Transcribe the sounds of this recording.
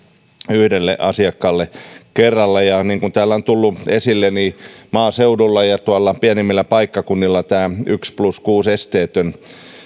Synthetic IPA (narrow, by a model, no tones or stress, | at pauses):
yhdelːeʔɑsiɑkːɑlːekerːɑlːɑjɑniːŋkunt̪æːlːæont̪ulːuesilːenimɑːseudulːɑjɑt̪uɑlːɑpiænimːilːæpɑikːɑkunːilːɑt̪æːykspluskuːsest̪eːt̪øn